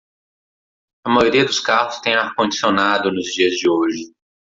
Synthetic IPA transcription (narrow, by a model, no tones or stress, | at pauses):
ɐmajoɾiɐd̪ʊskaɦʊst̪ẽj̃ahkõd͡ʒisionad̪ʊnʊzd͡ʒiɐzd͡ʒɪoʒɪ